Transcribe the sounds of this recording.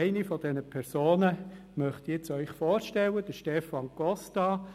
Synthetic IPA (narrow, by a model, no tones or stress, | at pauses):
ɪnifɔd̥ɛnəpʰɛɾsoːnə | mœχt̪ɛt͡sœʏχfɔːɾʃtɛləd̥əʃtɛfɑnkɔstɑ